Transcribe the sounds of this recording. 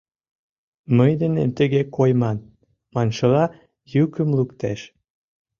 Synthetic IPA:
məjd̪enḛmt̪ə̆ɣekojmɑn | mɑnʃə̆lɑ | jykə̆mlukt̪eʃ

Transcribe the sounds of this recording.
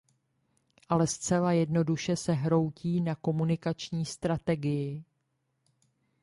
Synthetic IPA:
ʔalɛst͡sɛlajɛdno̞duʃɛsɛɦɾo̞wciːnako̞munɪkat͡ʃɲiːst̪ɾat̪ɛɡɪjɪ

